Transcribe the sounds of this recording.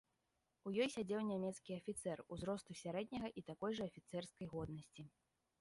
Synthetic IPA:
ujɔjsʲad͡zʲɛwnʲamʲɛt̪skʲiɐfʲit̪sɛruzɾɔst̪usʲaɾɛd̪ʲnʲɐɣɐʔit̪akɔjʐɐɐfʲit̪sɛrskɐjɣɔd̪nɐsʲt͡sʲi

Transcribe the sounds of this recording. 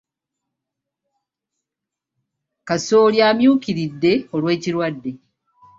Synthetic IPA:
kasoːɾjaːmjuːkiɾidːe̞olwe̞ːciɾwadːe

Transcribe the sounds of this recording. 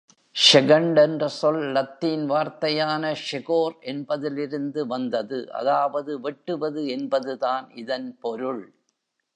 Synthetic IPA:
ʂɛɣɐɳɖɛndrɐsɔlːɐt̪ːiːnʋaːɾt̪ɐjaːnɐʂɛɣoːɾʔɛnbɐðɪlɪɾɯnd̪ɯʋɐnd̪ɐðɯʔɐ̰ðaːʋɐðɯʋɛʈːɯʋɐðɯɛnbɐðɯðaːnɪðɐnpɔɾɯɭ

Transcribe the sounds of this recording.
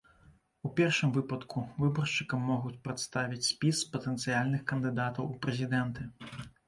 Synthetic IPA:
upʲɛrʂɨmvɨpɐt̪kʰuvɨbɔrʂt͡ʂɨkɐmːɔɣut͡sʲpɾɐt̪st̪avʲit͡sʲsʲpʲispɐt̪ɛnt̪sɨjalʲnɨxkɐnd̪ɨd̪at̪ɐwupɾɛzʲid̪ɛnt̪ɨ

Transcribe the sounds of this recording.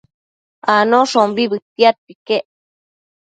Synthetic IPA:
anoʂombibɨt̪iat̪̚pikeʔ

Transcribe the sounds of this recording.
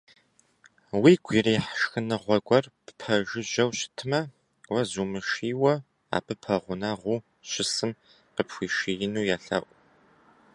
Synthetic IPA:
wiːɡʷʰiriːħʃxɨnɨʁʷɔɡʷɔrpʰpʰɐʒɪʒɐwɕɪ̥tʰɨmɐ | wɐzuːmɨʃiːwɐ | a̰ːpʰɨpʰɐʁʷʊnaːʁʷuː | ɕɪsɨm | qəpxʷiːʃijɪnuːjaːɬa̰ːʔʷʼʊ

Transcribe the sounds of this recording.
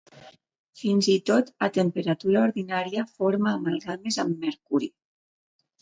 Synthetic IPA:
finzit̪ot̪at̪əmpəɾat̪uɾaoɾðinaɾiafoɾmaːmalˠɣamezamːeɾkuɾi

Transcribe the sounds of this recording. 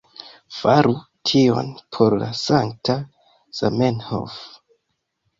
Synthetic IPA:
faɾu | tʰio̞̰npʰo̞ɾla̰saŋk̚ta | z̥a̰menho̰f

